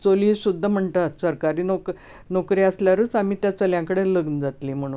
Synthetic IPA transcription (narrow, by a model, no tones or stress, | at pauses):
t͡soliːsud̪ʱːəm̤əɳt̪at̪səɾkaɾiːnok | nokɾiːəsljaɾəːt͡samiːt̪jat͡səljãŋkəɽeləɡnəd͡zat̪liːm̤əɽ̃u